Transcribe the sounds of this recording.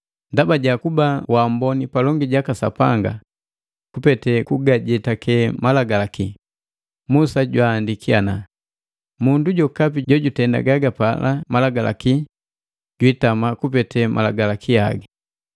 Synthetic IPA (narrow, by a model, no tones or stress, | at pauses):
ndabaɟakubawambɔnipalɔŋɡiɟakasa̰paŋɡa̰ | kupɛtɛkuɡaɟɛtakɛmalaɡalaki | musaɟwaːndikiana | munduɟɔkapiɟɔɟutɛnda̰ɡaɡapalʔamalaɡala̰ki | ɟwitamakupɛtʰɛmʔa̰laɡalakʰia̰ɡa